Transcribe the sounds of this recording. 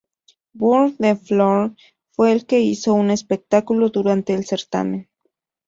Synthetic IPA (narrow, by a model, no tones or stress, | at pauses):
buɾðefloɾ | fwe̞ːlke̞iso̞une̞spek̚t̪akuloðuɾant̪e̞ːlse̞ɾt̪a̰mẽn